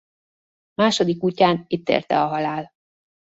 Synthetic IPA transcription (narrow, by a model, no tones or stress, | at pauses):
maːʃo̞d̪ikucːaːnit̪ːḛːrt̪ɛ̰ɒɦɒlaːl